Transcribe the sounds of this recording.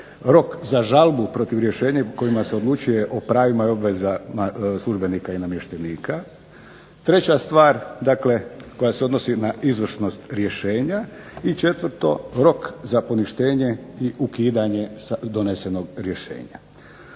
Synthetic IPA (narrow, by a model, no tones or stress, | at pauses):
ɾo̞kzaʒalˠbupɾo̞t̪iʋɾje̞ʃe̞ːɲako̞jimaseo̞d̪lˠut͡ʃuje̞ʔopɾaːʋimaio̞bʋe̞zamaslˠuʒbe̞nikainamje̞ʃt̪eniːka | t̪ɾe̞t͡ɕast̪ʋaːɾd̪akle̞ko̞jase̞o̞d̪no̞sinaizʋr̩ʃno̞st̪ɾje̞ʃe̞ːɲa | it͡ʃe̞t̪ʋəɾt̪o̞ɾo̞kzapo̞niʃt̪e̞ːɲe̞iʔukiːd̪aɲe̞sad̪o̞ne̞se̞no̞ɡɾje̞ʃe̞̰ːɲa̰